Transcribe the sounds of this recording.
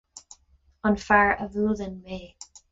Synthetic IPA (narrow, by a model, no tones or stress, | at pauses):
ənfaɹəvuːðənmeː